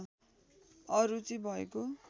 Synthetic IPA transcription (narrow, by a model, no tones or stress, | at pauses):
ʌɾut͡sibʱʌeko